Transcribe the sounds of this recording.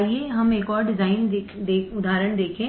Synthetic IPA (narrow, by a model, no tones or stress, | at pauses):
ieɦɐmeːkɔːɾɖɪzaːɪned̪eːʊd̪ʱaːɾəɽ̃d̪eːkʰẽː